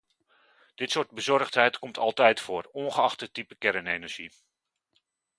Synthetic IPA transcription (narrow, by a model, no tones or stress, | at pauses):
d̥ɪtsʊːɹd̚bəzɔrχtɦɛjtkɔmtʰɑlˠtɛjtfʊːrɔnχəɑχtətipəkɛɾənejnəɹʒi